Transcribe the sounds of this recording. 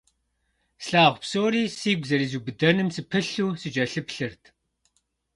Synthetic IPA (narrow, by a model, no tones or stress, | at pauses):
sɬaːʁʷpsoːɾiːsiːɡʷzɐɾiːzubɨdɐnɨmsɨpʰɨɬuːsɨd͡ʒɐɬɨpɬɨrtʰ